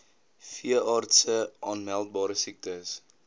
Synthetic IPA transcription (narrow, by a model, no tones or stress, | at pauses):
fiəʔɑːrtsəʔɑːnmælˠt̚bɑːɾəsik̚təs